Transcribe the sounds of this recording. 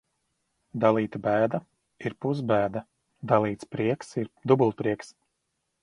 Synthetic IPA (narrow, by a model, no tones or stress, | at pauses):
d̪alˠiːt̪abæːd̪a | iɾpuzbæːd̪a | d̪alˠiːt̪spɾiɛksiɾd̪ubulˠpɾiɛks